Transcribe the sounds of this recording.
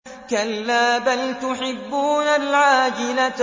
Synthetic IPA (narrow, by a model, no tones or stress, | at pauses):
kalːaːbalt̪ʊħɪbːuːnalʕaːd͡ʒɪla